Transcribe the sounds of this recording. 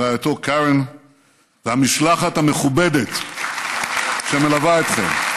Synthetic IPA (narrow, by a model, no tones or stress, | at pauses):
ajat̪okaʁen | veamiʃlaχat̪ameχubed̪et̪ | ʃemelavaet̪χḛm